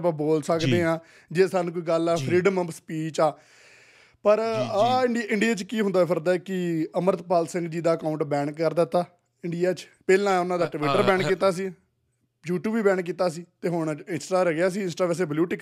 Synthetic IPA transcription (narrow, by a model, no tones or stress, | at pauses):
pãːboːlsəkd̪eːãː | d͡ʒeːsaːnũːkoiːɡəlaːpʰɾiːɖəməbspiːt͡ʃaː | pəɾaːɪɳɖɪɳɖijaːt͡ʃkiːɦʊ̃nd̪aːɛpʰəɾd̪aːkɪəməɾət̪paːlsɪ̃ŋɡd͡ʒiːd̪aːəkaːʊ̃ɳʈbɛːɳkːəɾd̪aːt̪aː | ɪɳɖɪjaːt͡ʃpɛːlãːʊnãːd̪aːʈʋɪːʈːəɾbɛ̃ːɳkkːiːt̪aːs̬iː | juːʈuːbiːbɛ̃ːɳkːiːt̪aːsiːt̪eːɦoɳɪnsʈaːɾəɡɪjaːs̬iːɪ̃nsʈaːʋɛːs̬eːbljuːʈɪk